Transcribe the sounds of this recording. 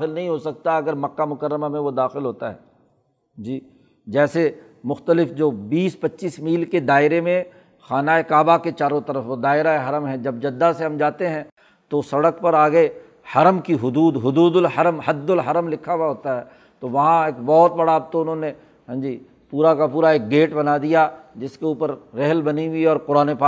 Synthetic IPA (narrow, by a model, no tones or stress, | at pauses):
ɪlnɐɦĩɦosɐk̚t̪aɐɡəɾmɐkːamʊkəɾːəmamẽʋod̪aːxɪlɦoːt̪aɦɛ̰ː | d͡ʒiː | d͡ʒɛːse | mʊxt̪əlɪfd͡ʒoːbiːspɐtːʃiːsmiːlked̪aːɪɾemẽ | xaːnaːekaːbaket͡ʃaːɾõt̪ɐɾəfʋod̪aːɪɾaeɦɐɾəmɦɛ̃d͡ʒɐb̚d͡ʒɐd̪ːaseɦɐmd͡ʒaːt̪eɦɛ̃ | t̪osɐɽəkpɐɾaːɡɐe | hɐɾəmkiɦʊd̪uːd̪ɦʊd̪uːd̪ʊlhɐɾəmɦɐd̪ːʊlɦɐɾəmlɪkʰːawaɦoːt̪aɦɛː | t̪oʋɐɦãeːkbɔːt̪̚bɐɽaːb̚t̪oʊnɦõne | ɦɐ̃md͡ʒiː | puːɾakapuːɾaeːk̚ɡeːʈbɐnad̪ijad͡ʒɪskeuːpəɾːɛɦəlbɐniɦʊiɔːɾkoːɾaːnepaː